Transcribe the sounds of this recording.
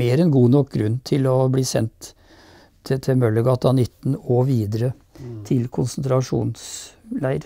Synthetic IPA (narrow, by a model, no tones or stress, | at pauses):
eːɾɛnɡuːnɔk̚ɡɾʉnːt̪ʰɪlɔbliːsɛnt̪ | t̪ʰɛmœlːəɡɑt̪ɑnɪt̪ːn̩ɔʋiːd̪əɾə | t̪ʰɪlkʰʊnsnt̪ʰɾɑʂṵːnslæɪɾ